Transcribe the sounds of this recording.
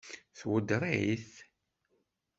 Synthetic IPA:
θwəd̪ɾˤiiθ

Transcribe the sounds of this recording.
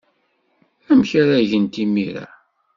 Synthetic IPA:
æmçaɾæʝənt̪imiɾa̰

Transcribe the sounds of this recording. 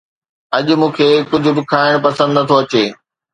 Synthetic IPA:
ɐʄʊ̆mũːkʰeːkʊd͡ʑʱʊ̆bɪkʰaːɪɽ̃pɐsə̃nd̪nɐət̪ʰoɐt͡ɕeː

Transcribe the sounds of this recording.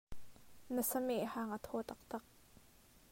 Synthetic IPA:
nəsɐmeʔhaːŋʔat̪ʰɔːt̪ɐk̚t̪ɐk̚

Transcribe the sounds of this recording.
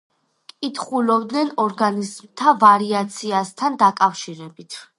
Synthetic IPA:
kʼit̪ʰχulɔbd̪nɛnɔɾɡanizmt̪ʰavaɾiat̪sʰiast̪ʰand̪akʼafʃiɾɛbit̪ʰ

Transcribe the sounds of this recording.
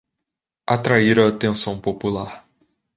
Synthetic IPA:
at̪ɾaiɾaːt̪ẽsɐ̃w̃populaɾ

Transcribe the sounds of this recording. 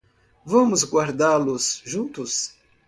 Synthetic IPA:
vɐ̃mʊzɡwaɾd̪alʊsʒũnt̪ʊs

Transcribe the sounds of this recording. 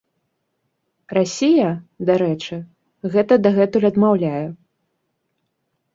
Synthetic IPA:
rasʲijɐd̪aɾɛt͡ʂɨ | ɣɛt̪ɐd̪aɣɛt̪ulʲɐd̪mawlʲajɛ

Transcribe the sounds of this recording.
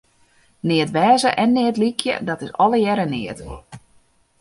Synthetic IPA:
nɪətʋɛːzəʔɛnːɪətlikʰjə̰dɔtɪsɔləjɛɾənɪət

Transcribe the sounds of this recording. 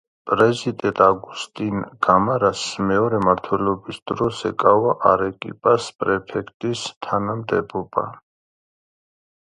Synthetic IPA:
pʼɾɛzid̪ɛt̪ʼaɡust̪ʼinɡ̥amaɾasmɛɔɾɛmaɾt̪ʰwɛlɔbisd̪̥ɾɔsɛkʼavaʔaɾɛkʼḭpʼaspʼɾɛpʰɛkʰt̪ʼist̪ʰanamd̪ɛbɔba̰

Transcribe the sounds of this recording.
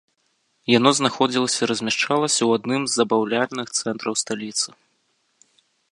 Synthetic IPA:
janɔznaxɔd͡zʲilˠɐsʲɐiɾɐzʲmʲaʂt͡ʂalˠɐsʲɐwad̪nɨmzːɐbawlʲalʲnɨxt̪sɛnt̪ɾɐwst̪alʲit̪sɨ

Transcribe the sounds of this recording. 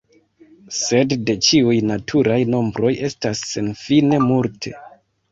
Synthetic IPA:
se̞dde̞t͡ʃiujnatʰuɾajno̞mbɾo̞je̞stasːe̞nfine̞multʰe̞̰

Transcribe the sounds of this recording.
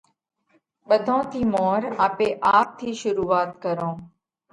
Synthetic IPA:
ɓəd̪ʱõːt̪ʰiːmoːɾaːpeːʔaːp̚t̪ʰiːʃʊɾuːʋaːt̪kəɾõː

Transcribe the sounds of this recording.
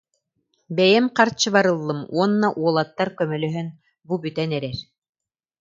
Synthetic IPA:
bɛjɛmqɑɾt͡ɕɯβaɾɯ̆lˠːɤmuɔnːaʔuɔlˠat̪ːɑɾkœmœlœɦœn | bubyt̪ɛnɛɾɛɾ

